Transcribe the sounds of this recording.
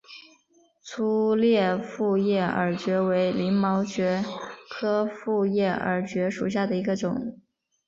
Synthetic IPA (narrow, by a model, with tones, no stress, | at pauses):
t͡sʰu˥ljɛ˥˧fu˥˧jɛ˥˩ə˞˨˩˥t͡ɕɥɛ˧˥we˧˥ɪli˧˥ŋmɑ˧˥ʊt͡ɕɥɛ˧˥kʰɤ˥fu˥˧jɛ˥˩ə̰˞˧˥t͡ɕɥɛ˧˥ʂṵ˨˩ɕ̬ja˥˩d̪ə˩i˧˥ɡə˧ʈ͡ʂʊ˨˩˦ŋ